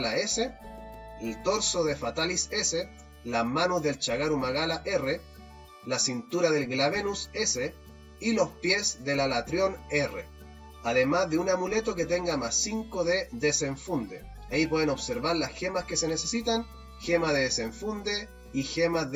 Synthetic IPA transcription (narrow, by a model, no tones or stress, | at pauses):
laese | elt̪o̞ɾsoðefat̪alisese | lamanuzðelt͡ʃaɣaɾumaɣalaʔe̞re | lasint̪uɾaðe̞lɣlaβenusese | ilo̞spje̞sðe̞lalat̪ɾjo̞nerḛ | aðe̞mazðeunamule̞t̪o̞ket̪e̞ŋɡamasiŋkoðeðeseɱfund̪e | aip̬weðenoβseɾβaɾlasxemaske̞senesesit̪an | xemaðeðeseɱfund̪e | ixema